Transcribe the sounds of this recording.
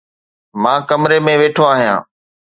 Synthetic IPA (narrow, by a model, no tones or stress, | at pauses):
mãːkəmɾemẽːʋeːʈʰoaːɦijã̰ː